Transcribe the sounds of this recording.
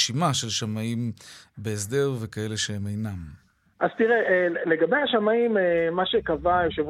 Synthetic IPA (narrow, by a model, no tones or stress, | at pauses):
ʃimaʃe̞lʃamaimbeesd̪e̞ʁvekae̞le̞ʃehemejnam | ʔazt̪iʁeʔleɡabejaʃamaimemaʃekavajoʃev